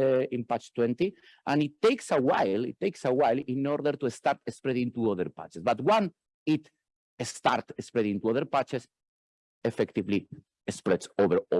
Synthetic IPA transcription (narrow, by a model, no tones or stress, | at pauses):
ĩnpat͡ʃt̪wɛ̃nt̪i | ʔãnit̪ːejksawajlḭt̪ːeksawajlĩnɔɾðəɾt̪uest̪aɾt̪espɾɛðĩŋt̪uɔðə̰ɾpa̰t͡ʃesbat̪wãn | it̪ | est̪aɾt̪espɾɛðĩŋt̪uɔðəɾpat͡ʃes | efɛkt̪ivli | espɾɛtsovəɾo